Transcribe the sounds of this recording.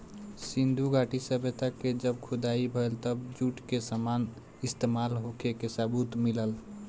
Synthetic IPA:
sĩnd̪ʱuɡaʈisəbet̪aked͡ʒəbkʰʊd̪aibʱəelt̪əbd͡ʒuʈkesəman | ɪst̪emalɦokʰekesabut̪miləl

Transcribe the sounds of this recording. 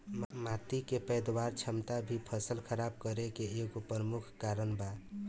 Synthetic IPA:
mat̪ikepəjd̪waɾt͡ʃʰəmt̪abʱipʰəsəlkʰəɾab̚kəɾekeːɡopəɾəmukʰkaɾənba

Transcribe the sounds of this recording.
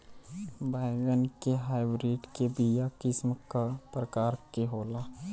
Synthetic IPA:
baɡənkeɦaːɪbɾiːɖkebijakɪsmkapɾəkaːɾkeɦoːlaː

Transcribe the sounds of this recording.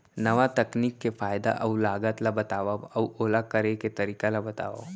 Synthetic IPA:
nɐʋat̪ɐkniːkːefaːjd̪a̰ʔɐulaːɡət̪labɐt̪aːʋaɐwoːlakɐɾeket̪ɐɾiːkalabɐt̪a̰ːʋa̰

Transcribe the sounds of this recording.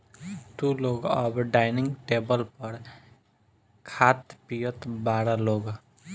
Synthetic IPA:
t̪uloːɡɔːbɖaːɪnɪ̃ŋɡʈeːbəlpəɾ | kʰaːt̪pijət̪baːɾaloːɡ

